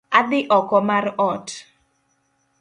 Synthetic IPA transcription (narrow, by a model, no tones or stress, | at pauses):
ad̪ɪʔɔkɔmarɔt